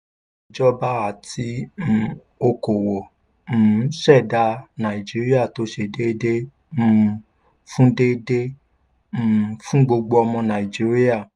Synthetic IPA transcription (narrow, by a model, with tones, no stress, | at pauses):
d͡ʒɔ˦ba˦a˨ti˨˦˨ | o˧ko˨wõ˨˦ | ʃɛ˦˨da˧nã˨i˨d͡ʒi˨˦ɾi˦a˦˨to˨˦ʃe˧de˦de˦ | m̩˨ | fũ˦de˦dẽ˦˨ | fũ˦ɡ͡bo˧ɡ͡bo˧ɔ˧mɔ̃˧nã˨i˨d͡ʒi˦ɾi˦a˦˨